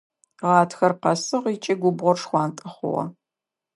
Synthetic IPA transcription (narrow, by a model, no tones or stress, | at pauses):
ʁɑːtʰxɐrqɐsɨʁit͡ʃʼɪɡʷʊbʁʷɔrʂxʷɑːntʼɨχʷʊ̰ʁɐ̰